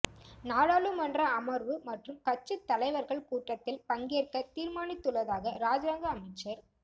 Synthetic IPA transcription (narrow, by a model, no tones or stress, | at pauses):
naːɻaːlɯmɐndrɐɐmɐɾʋɯmɐʈrɯmkɐt͡ʃːɯt̪ːɐlɐɪʋɐɾɣɐɭkuːʈːɐt̪ːɪlpɐŋɡeːɾkɐt̪iːɾmaːnɪt̪ːɯɭːɐðaːɣɐɾaːd͡ʒaːŋɡɐːmɪt͡ʃːɐɾ